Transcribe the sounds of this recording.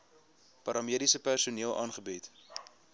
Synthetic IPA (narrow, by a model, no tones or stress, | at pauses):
pɐɾɑmiəɾisəpærsuniəlˠʔɑ̰ːnχəbit